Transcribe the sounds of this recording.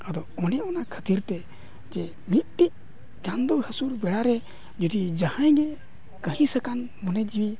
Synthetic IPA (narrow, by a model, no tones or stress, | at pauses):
əd̪ɔɔnɛɔnakʰət̪iɾt̪ɛ | d͡ʒɛ | mit̪̚ʈic̚ | d͡ʒand̪ɔɦhəsuɾbɛɽaɾɛ | d͡ʒud̪id͡ʒahãjɡɛ | kəhĩsəkan | mɔnɛd͡ʒbi